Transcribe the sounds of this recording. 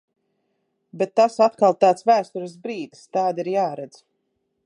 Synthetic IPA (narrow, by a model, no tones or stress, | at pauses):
bet̪ːasat̪kalˠt̪aːt̪svæːst̪uɾɨs̬bɾiːd̪st̪aːd̪iɾjaːɾɛd̪z̥